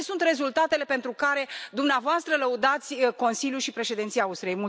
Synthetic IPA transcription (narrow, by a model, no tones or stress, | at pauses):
sunt̪re̞zult̪at̪e̞le̞pe̞nt̪ɾukaɾe̞d̪umneavoast̪ɾələud̪at̪sʲko̞nsilʲjuʃipɾe̞ʃe̞d̪int̪sijaust̪ɾiejmul